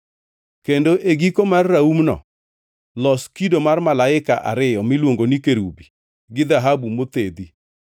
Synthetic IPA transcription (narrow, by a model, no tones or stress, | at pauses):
kendoʔeɡikomarːaumnɔ̰ | lɔskidomarmalaɪka̰ʔa̰ɾɪjɔmilwoŋɡonikeɾubi | ɡɪd̪aɦabumot̪ed̪i